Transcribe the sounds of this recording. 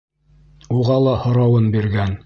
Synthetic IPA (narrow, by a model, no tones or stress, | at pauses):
uʁɑlˠɑhŏɾɑwɤnbiɾɡæn